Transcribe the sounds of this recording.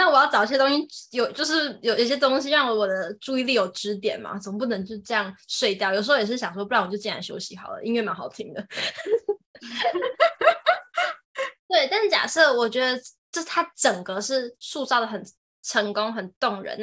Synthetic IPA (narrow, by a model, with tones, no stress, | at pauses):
na˥˩wɔ˨˩jɑ˥˩ʈ͡ʂɑ˨˩ʊ˥ɕ̬jɛ˥t̪o˥ŋɕi˧˥jo˨˩ʊt͡ɕjo˥˧ʊʂɻ̩˥˩jo˨˩ʊ˨˥˩ɕjɛ˥t̪̬oʊ˥ŋɕi˧˥ɻɑ˥˩ŋwə˧˥wɔ˨˩d̪ə˦ʈ͡ʂu˥˧i˥˧li˥˩jo˨˩ʊʈ͡ʂɻ̩˧˥t̪̬jɛ̰˨˩nma̰˦t͡sə˨˩mə˦p̬u˥˩nə˧˥ŋt͡ɕo˥˧ʊ˥ʈ͡ʂɤ˥˧jɑ˥˩ŋsʂwe˥˧ɪt̪jʊjʂ̩˧xo˥jɛ˨˩ʂɻ̩˥˩ɕjɑ˨˩ŋʂwɔ˥p̬u˧˥a˥˩nwɔ˨˩t͡ɕjt͡ɕɛ˥˩a̰˧˥nɕjo̰˥ʊɕi˧˥xɑ̰˨˩ʊlə̰˦ʔi˥ŋɥɛ˥˩ma˧˥nxɑ˨˩ʊt̪ʰi˧˥ŋd̪ə˨ | t̪we˥˩ɪt̪a˥˧nʂɻ̩˥˩t͡ɕja̰˨˩sɤ˥˩wɔ˨˩t͡ɕɥɛ˧˥d̪ə˧ʈ͡ʂɤ˥˩t̪ʰa˥ʈ͡ʂə˨˩ŋkə˦ʂɻ̩˥˩ʂu˥˧t͡sɑ˥˩ʊd̪ə˩xə˨˩n | ʈ͡ʂʰə˧˥ŋkʊ˥ŋxə˨˩nt̪ʊ˥˩ŋɻə̰˧˦n